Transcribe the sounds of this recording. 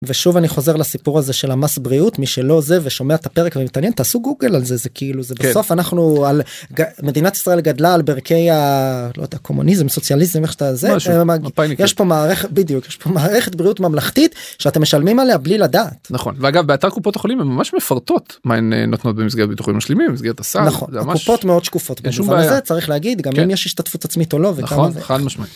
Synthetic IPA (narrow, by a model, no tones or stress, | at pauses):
ve̞ʃuvaniχo̞ze̞ʁlasipuʁaze̞ʃe̞lamasbʁiut̪miʃe̞lo̞ze̞veʃo̞meaet̪ape̞ʁekavemit̪anje̞nt̪aːsuɡuɡelalze̞zekʰiiluzebeso̞fanaχnualɡme̞d̪inat̪i̥sʁae̞lɡad̪laːlbeʁkʰe̞jalojd̪eakʰo̞mṵnizemso̞t͡sjalizemeχʃt̪azemapajjeʃpo̞maːʁeχebid̪ijukjeʃpo̞maːʁe̞χet̪̚bʁiutmamlaχt̪it̪ʃeat̪emːe̞ʃalmimaleabliladaːtnaχo̰nveaɡavbeataʁkupot̪aχolimemːamaʃmefaʁt̪ot̪maḛnḛnotnot̪̚bemis̬ɡet̚bit̪uχḭmaʃlemimbemis̬ɡeʁt̪asanaχonzamkaupo̞tmeo̞d̪ʃkufo̞t̪beufmaeajaet͡saʁiχlehaɡid̪ɡamimjeʃiʃt̪atfutat͡smit̪o̞lo̞veaavamaʃmai